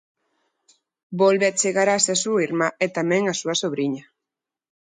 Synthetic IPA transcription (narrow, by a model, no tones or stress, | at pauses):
bolβeet͡seɣaɾasesuiɾmaet̪ameŋasuasoβɾiɲa